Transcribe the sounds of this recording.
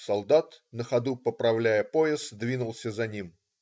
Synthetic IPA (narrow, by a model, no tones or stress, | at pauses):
sɐlˠd̪at̪nəxɐd̪upəpɾɐvlʲæjəpoɪsd̪vʲinʊlˠsʲəzɐnʲim